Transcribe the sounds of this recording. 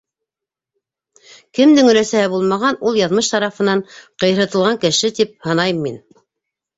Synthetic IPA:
kɘ̆md̪ɘŋɵ̆ɾæsæhɘbulˠmɑʁɑnulˠjɑðmɤʃt̪ɑɾɑfɤ̆nɑɴqɤ̆jɾɤ̆t̪ɤ̆lˠʁɑŋkɘ̆ʃɘt̪ip̚hɑnɑjɤmːin

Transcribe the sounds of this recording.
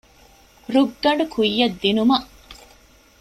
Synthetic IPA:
ɾuɡːɐɳɖukʰujːɐd̪ːinumɐʔ

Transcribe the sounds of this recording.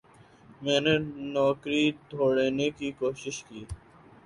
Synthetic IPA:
mɛːnenɔːkɾid̪ʱoːɽeːnekiːkoːʃɪʃkiː

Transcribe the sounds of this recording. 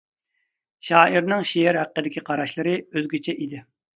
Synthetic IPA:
ʃɑːʔiɾnɪŋʃijɛɾɦæq̚qːəd̪ɪkʲiqʰɑɾɑʃlˠɨɾɨøzɡʲyt͡ʃʰɛʔid̪ɪ

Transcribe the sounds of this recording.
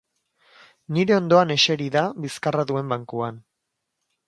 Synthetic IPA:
niɾe̞o̞nd̪o̞ane̞ʃe̞ɾiðaβiskaraðue̞mbaŋkuan

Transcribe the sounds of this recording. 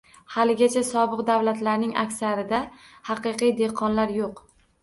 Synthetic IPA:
halɪɡʲat͡ʃʰasɒbɨqd̪awlat̪laɾnɪŋʔa̰kʲsaɾɪd̪a | hɑqɨqijd̪e̞qʰɒnlaɾjoq

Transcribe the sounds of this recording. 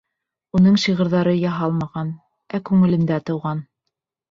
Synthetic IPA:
unɤɴʃiʁɤ̆ɾðɑɾɤjɑɦɑlˠmɑʁɑn | ækʉŋɘ̆lɘ̆nd̪æt̪ɤ̆wʁɑn

